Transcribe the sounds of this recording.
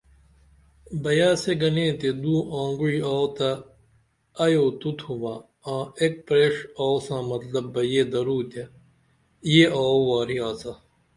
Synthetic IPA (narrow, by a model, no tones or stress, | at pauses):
bɐjaːseɡɐnẽːt̪ed̪uːʔãːŋɡuiaːwt̪ɐː | joːt̪ut̪ʰuʋa | ãːek̚pɾeːʂaːwsãːmɐt̪lɐbːɐjeːd̪ɐɾuːt̪e | jeʔaːwaːɾiaːsɐ